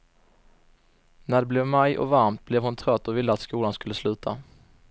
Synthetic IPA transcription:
næɖɛblɛvmajɔ̰vaɾmt̪̚blɛvhʊnt̪ʰɾœt̪ːɔvɪlːəat̪skuːlanskɵlːəslʉ̟ːt̪ʰa

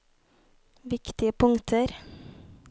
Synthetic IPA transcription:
ʋɪkt̪ɪəpʰʊŋt̪ʰəɾ

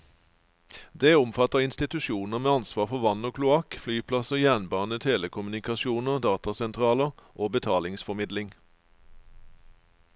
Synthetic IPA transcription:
d̪eːʊmfɑt̪əʁɪnst̪ɪt̪ʉʃuːnəʁmeːɑnsʋɑːʁfɔʋɑnoːkʰlʊɑkflyːpʰlɑsəjæːnbɑːnət̪ʰeːləkʰʊmʉnɪkɑʃɪuːnəʁd̪ɑːt̪ɑsɛnt̪ʰʁɑːləʁʔoːbət̪ʰɑːlɪŋsfɔmɪd̪lɪŋ

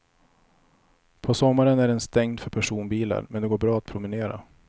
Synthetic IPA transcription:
pʰɔsɔmːaɾənæɖɛnst̪ɛŋd̪fœɾpʰæʂuːnbiːla̰ɾmɛnd̪ɛɡoːbɾɑːat̪̚pʰɾʊmɪneːɾa̰

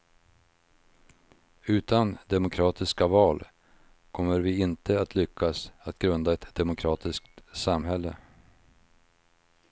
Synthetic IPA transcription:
ʉ̟ːt̪and̪ɛmʊkʰɾɑːt̪ʰɪskavɑːl | kʰɔmːəɾvɪɪnt̪ʰəat̪ʰlʏkʰːasat̪ɡɾɵnd̪aɛt̪d̪ɛmʊkʰɾɑːt̪ɪskt̪samɦɛlːə

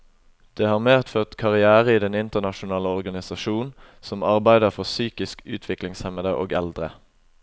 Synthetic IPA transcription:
d̪̥eːhɑːʁmeːt̪føːʁt̪kʰɑʁɪæːʁəiːd̪ɛnɪnt̪əʁnɑʃʊnɑːləɔʁɡɑnɪsɑʃuːn | sɔmɑʁbæɪd̪əʁfɔʁsyːkɪskʉ̰ːt̪ʰʋɪklɪŋshɛməd̪əʔoːɡɛ̰ld̪ʁə̰

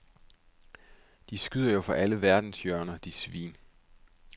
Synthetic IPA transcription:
d̥isɡ̥yð̞̰ˠɐjofɒʔæləʋæɐd̥n̩sjœɐnɐd̥isʋḭːn

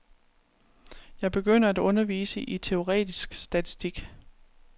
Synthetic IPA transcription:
jɑ̈ɪb̥e̝ɡ̥øn̰ɐæd̥ɔ̽nɐʋḭːsəʔit͡sʰe̝o̝ʁɛ̰ːd̥isɡ̥sd̥æt͡sʰi̥sd̥iɡ̥

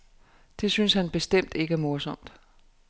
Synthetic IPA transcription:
d̥e̝synshænb̥e̝sd̥em̰d̥e̝ɡ̥æɐmo̝ɐsɒ̽m̰d̥

